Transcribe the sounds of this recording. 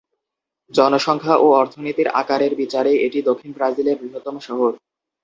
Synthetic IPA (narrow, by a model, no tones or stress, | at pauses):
d͡ʑɔnoʃɔŋkʰaʔoɔɾt̪ʰonit̪iɾa̰kaɾeɾbit͡ɕaɾeeʈid̪okʰːinbɾad͡ʑileɾbɾiɦot̪ːomoʃɔɦoɾ